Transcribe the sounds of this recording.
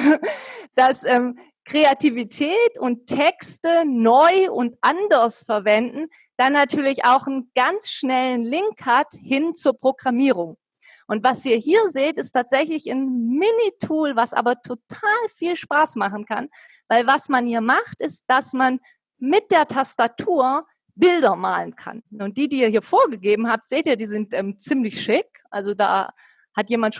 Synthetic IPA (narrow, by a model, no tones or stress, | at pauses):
d̥asʔɛːm | kʁ̥eativitʰɛːtʊntʰːɛkstənɔʏʊntʔandɐsfɛɐvɛndn̩ | d̥anːatʰyːɐlɪça̰ʊxn̩ɡ̥ant͡sʃnɛlənlɪŋkhathɪnt͡suːɐpʁ̥oɡʁamiːʁ̞ʊŋ | ʔʊntv̥asiːɐhiːɐzeːtɪstʰaːtz̥ɛçlɪçanmɪnitʰuːlvasʔa̰ːbɐtʰotʰaːlfiːlʃpaːsmaχn̩kʰa̰n | vaɪlvasmanhiːɐmaχtɪst̚d̥asman | mɪt̚d̥eːɐtʰastatʰuːɐ | bɪldɐma̰ːlənkʰa̰nʊnt̚d̥iːdiːɐhiːɐfoːɐɡəɡeːbm̩haːp̚tz̥eːtiːɐdiːzɪntʔɛːmt͡siːmlɪçʃɪkʔa̰lzoda̰ː | hatjeːmantʃ